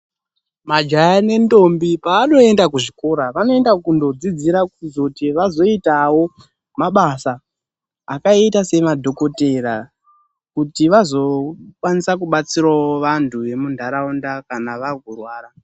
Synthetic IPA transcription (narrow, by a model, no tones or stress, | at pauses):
mad͡ʒajane̞ndo̞mbipaːno̞e̞ndakuʐiko̞ɾaʋano̞e̞ndakundo̞d͡zid͡ziɾakuizotiʋazo̞itawo̞ | maɓasaː | kaitase̞madʱo̞ko̞te̞ɾa | kutiʋazo̞kwanisakuɓat͡sirwaoʋantʰuʋe̞mundʱaɾaundakanaʋaɡʱurwaːɾa